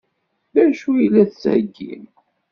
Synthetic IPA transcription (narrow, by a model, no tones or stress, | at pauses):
ðæʃujilːæθsæ̰ɡːḭn